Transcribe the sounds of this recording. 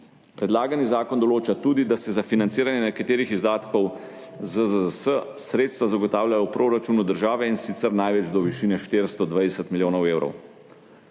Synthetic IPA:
pɾɛd̪laːɡanizaːkɔnd̪ɔloːt͡ʃat̪uːd̪id̪asɛzafinant̪siːɾanjɛnɛkat̪eːɾixizd̪aːt̪kɔw | zəzəzəsəsɾeːt̪st̪ʋazaɡɔt̪aːwljajɔwpɾʔoːɾat͡ʃuːnud̪əɾʒaːʋɛinsit̪sɛɾnajʋɛd͡ʒd̪ɔʋiʃiːnɛʃt̪eːɾst̪ɔd̪ʋajd̪ɛsət̪miljoːnɔweːwɾɔ̰w

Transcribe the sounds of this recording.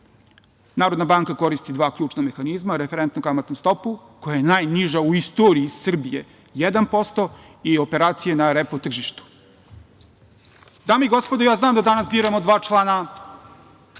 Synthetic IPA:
naːɾod̪nabaŋkako̞ɾist̪id̪ʋaːkʎʲuːt͡ʃname̞xanizmaɾefeɾent̪nukamat̪nust̪o̞pu | ko̞jajenaːjniʒauist̪oːɾiːssr̩bije | jed̪anpo̞st̪o̞ | io̞pe̞ɾaːt̪sijenaɾepot̪r̩ʒiʃt̪u̥ | d̪aːmeiɡospod̪ojaːznaːmd̪ad̪anasbiːɾamod̪ʋaːt͡ʃlˠaːna

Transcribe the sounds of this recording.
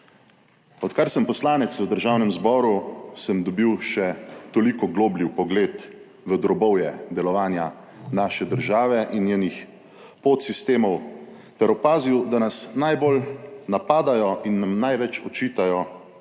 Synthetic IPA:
ɔt̪kaɾsəmpɔslaːnɛt̪səd̪əɾʒaːwnɛmzbɔːɾusəmd̪ɔbiwʃɛt̪ɔlikɔɡloːbliwpɔɡleːt̪ | ʋəd̪ɾɔbɔwjɛd̪ɛlɔʋaːnja | naːʃɛd̪əɾʒaːʋɛʔinjeːnix | poːt̪sist̪eːmɔw | t̪ɛɾɔpaːziwd̪anasnajbolnapaːd̪ajɔʔinːamnajʋɛt͡ʃɔt͡ʃiːt̪ajɔ

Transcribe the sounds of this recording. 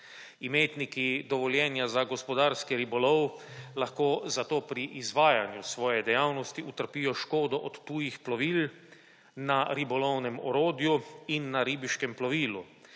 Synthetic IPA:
imeːt̪nikid̪ɔʋɔljɛːnjazaɡɔspɔd̪aːɾskiɾibɔlɔwlaxkoːzat̪oːpɾiʔizʋaːjanjusʋɔːjɛd̪ɛjawnɔst̪iut̪əɾpijɔʃkoːd̪ɔʔɔt̪ːuːjixplɔʋiːl | naɾibɔlɔwnɛmɔɾoːd̪juinːaɾiːbiʃkɛmplɔʋiːlu

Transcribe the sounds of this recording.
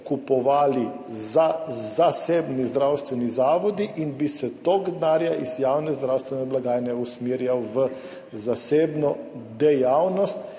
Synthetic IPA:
kupɔʋaːli | zazaseːbnizd̪ɾawst̪ʋɛnizaːʋɔd̪iʔinbisɛt̪oːɡd̪naːɾjaʔizjawnɛzd̪ɾawst̪ʋɛnɛblaɡaːjnɛusmiːɾjawʋə | zaseːbnɔd̪ɛjawnɔst̪

